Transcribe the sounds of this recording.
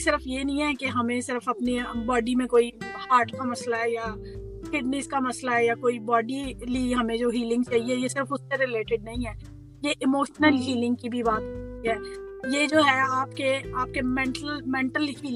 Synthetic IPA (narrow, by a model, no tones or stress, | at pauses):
sɪɾəfjenɐĩɦɛkeɦɐmẽsɪɾəfɐpnibɔːɖimẽkoːihaːɾʈkamɐslaɦɛja | kɪɖnɪskamɐslaɦɛjakoːibɔːɖiliɦɐmẽd͡ʒoːɦiːlɪ̃ŋɡt͡ʃaːɦiɛjesɪɾəfʊsːeɾɪleːʈɪɖ̚nɐɦĩɦɛː | jeʔɪmoːʃnəlɦiːlɪ̃ŋɡ̚kibʱibaːt̪ɦot̪iɦɛːjed͡ʒoːɦɛaːpkeaːp̚kemɛ̃ːɳʈəlmɛ̃ːɳʈəlɦiːlɪ̃